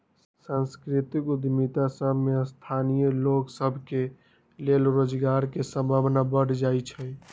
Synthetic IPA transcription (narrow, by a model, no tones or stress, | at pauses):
sə̃nskɾit̪ikud̪mit̪asəbʱmeəst̪ʰanijəloksəbʱke | lelɾod͡ʒɡaɾkesə̃mbʱabnabəɽd͡ʒajt͡ʃʰəj